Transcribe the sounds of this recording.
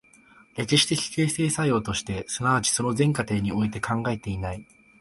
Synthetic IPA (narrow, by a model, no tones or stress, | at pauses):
ɾe̞kiɕi̥t̪e̞çʲi̥ke̞ːse̞ːsajo̞ːt̪o̞ɕi̥t̪e̞sɨnaβat͡ɕi̥so̞no̞zẽ̞ŋkat̪e̞ːɲ̟io̞it̪e̞kʰãŋɡae̞t̪e̞inai